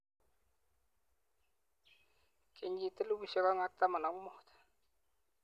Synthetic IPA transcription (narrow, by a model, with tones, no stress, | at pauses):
kʰe˨ɲd͡ʒi˦˨t̪ə˦lu˦bi˨sɔ˦ka˦ŋa˦k̚t̪a˦ma˨na˨kmɔ˦t̪